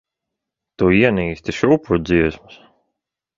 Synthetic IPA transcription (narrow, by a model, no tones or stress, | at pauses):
t̪uːiɛniːst̪ʲiʃuːpuɾd̪ziɛsmɨs